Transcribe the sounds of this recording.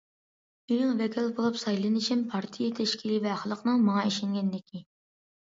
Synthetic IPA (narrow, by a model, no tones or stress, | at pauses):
ynɪŋvɛkʲʰilbolˠupsɑjlˠɨnɨʃɪmpʰɑɾt̪ʰijet̪ʰɛʃkʲʰilɪvɛχlˠəqnɨŋmɑŋɑiʃɪŋɡʲɛnd̪ɪkʲʰi